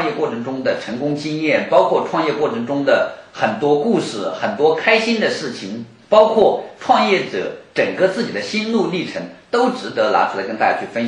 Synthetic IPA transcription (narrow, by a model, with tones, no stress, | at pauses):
ŋjɛ˥˧kwɔ˥˩ʈ͡ʂʰɤ˧˥ŋʈ͡ʂʊ˥ŋd̪ə˨ʈ͡ʂʰə˧˥ŋkʊ˥ŋt͡ɕi˥ŋjɛ˥˩npɑ˥ʊkʰwɔ˥˧ʈ͡ʂʰwɑ˥˧ŋjɛ˥˧kwɔ˥˩ʈ͡ʂʰɤ˧˥ŋʈ͡ʂʊ˥ŋd̪ə˨˩xə˨˩nt̪wɔ˥ku˥˧ʂɻ̩˥˩xə˨˩nt̪wɔ˥kʰa˥ɪɕi˥nd̪ə˨ʂɻ̩˥˩t͡ɕʰi˧˩˦ŋ | pɑ˥ʊkʰwɔ˥˩ʈ͡ʂʰwɑ˥˧ŋjɛ˥˩ʈ͡ʂɤ̰˨˩˦ʈ͡ʂə˨˩ŋkə˥˧t͡sɹ̩˥˩t͡ɕi˨˩d̪ə˦ɕi˥nlu˥˧li˥˩ʈ͡ʂʰə˧˥ŋt̪o˥ʊʈ͡ʂɻ̩˧˥t̪ɤ˧˥la̰˧˥ʈ͡ʂʰu˥˩la˧˥ə˥nt̪a˥˩ja̰˥˩t͡ɕʰy˥˩fə˥n˨